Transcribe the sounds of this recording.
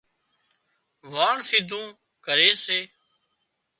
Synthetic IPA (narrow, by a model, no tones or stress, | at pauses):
ʋaːɳsiːd̪ʱũː | kəɾeːseː